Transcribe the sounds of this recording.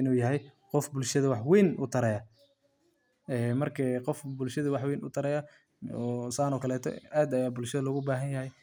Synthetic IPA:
ɪnuːjɐɦɛj | qɔfbʊlʃɐðɐwɑħwɛjnʊt̪ʰɐɾɛja | ɛːmɐrkʰɐqɔfbʊlʃɐðɐwɑħwɛjnʊ̰t̪ʰɐɾɛja | ɔːsaːnɔːkʰɐlɛːt̪ʰɔ̰ʔaːd̪ɐjaːbʊlʃɐðɐlɔɣʊbaːɦɐnjɐhɛj

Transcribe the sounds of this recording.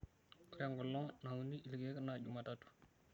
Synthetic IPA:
ɾɛŋɡɔlːɔŋnauniʔilɡɛknaɟumatatu̥

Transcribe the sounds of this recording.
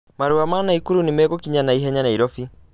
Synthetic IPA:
maɾuamaːnaikuɾunimɛɣukiɲanaiɦɛɲanaiɾɔfi

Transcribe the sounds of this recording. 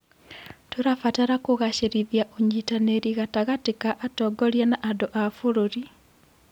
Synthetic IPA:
toɾafataɾakoɣaɕeɾiðjaʔoɲitaneɾiɣataɣatekaʔatɔɡɔɾjanaʔadoʔafoɾoɾi

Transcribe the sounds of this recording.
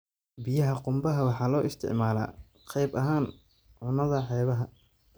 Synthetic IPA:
bɪjɐɦɐqʊmbɐɦɐwɑħɑːlɔːʔɪst̪ʰɪ̰ʕmaːla̰ː | qɛjbɐɦaːn | ʕʊnɐðɐħɛjβɐɦɐ

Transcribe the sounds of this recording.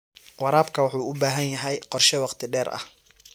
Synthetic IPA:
wɑɾaːbkʰɐwɑħuːʊbaːɦɐnjɐɦɛjqɔrʃɛwɑqt̪ʰɪɖɛːɾɐ̰h

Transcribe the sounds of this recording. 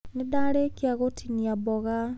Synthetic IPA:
nedaɾekiaɣotʰiniabɔɣa

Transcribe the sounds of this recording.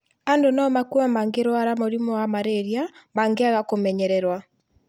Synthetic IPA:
andonɔmakuamaŋɡeɾwaɾamoɾimɔamaɾeɾjamaŋɡeaɣakomɛɲɛɾɛɾwa

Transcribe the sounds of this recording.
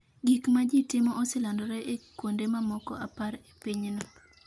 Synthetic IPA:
ɡikmad͡ʒitɪmɔʔɔsɪlandɔɾɛʔekwondemamɔkɔ̰apaɾe̥piɲnɔ

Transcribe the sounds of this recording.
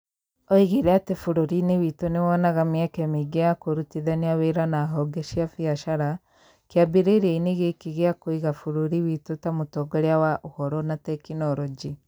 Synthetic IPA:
ɔiɣiɾɛatefoɾoɾinewitonewɔnaɣamiɛkɛmiɡeakoɾutiðaneaweɾanaːɦɔɡɛʃiafiaʃaɾa | keabiɾeɾeineɣekiɣeakoiɣafoɾoɾiwitotamotɔɡɔɾeawaʔohɔɾɔnatɛkinɔɾɔd͡ʒi

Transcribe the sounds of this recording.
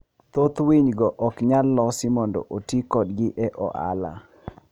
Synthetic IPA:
t̪ot̪wiɲɡɔʔɔkɲalːɔsimondo̰ʔotikɔdɡɪʔɛʔɔ̰ʔa̰la̰

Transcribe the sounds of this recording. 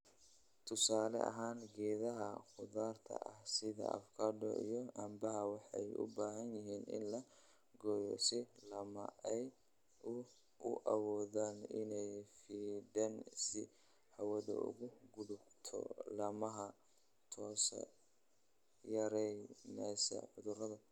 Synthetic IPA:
t̪ʰʊsaːlɛ̰ʔɐ̰ɦaːnɡɛːðɐɦɐqʊðaːrt̪ʰɐ̰ʔɐhsɪðɐ̰ɐ̰fkʰaːdɔ̰ʔḭjɔɐmbɐɦɐwɑħɑjʔʊ̰baːɦɐnjɪɦiːnɪ̰nlɐ | ɡɔjɔ̰sɪlɐmɐ̰ʔɛj | ʊ | ʊʔɐwɔːðaːnɪnɛjfiːɖɐnsɪ | ħɐwɐðɐ̰ʊ̰ɣʊɡʊɽʊkt̪ʰɔ̰lɐmɐɦɐ | t̪ʰɔːs | jɐɾɛjnɛsɐ̰ħʊðʊrɐðɐ

